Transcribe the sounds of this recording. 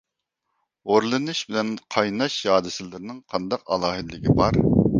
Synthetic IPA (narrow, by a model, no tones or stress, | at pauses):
oɾlˠɨnɨʃbɪlɛnqʰɑjnɑʃjɑːd̪ɨsɨlˠɨɾɨnɨŋqʰɑnd̪ɑqɑ̰lˠɑːɦɨd̪ɪlɪɡʲibɑɾ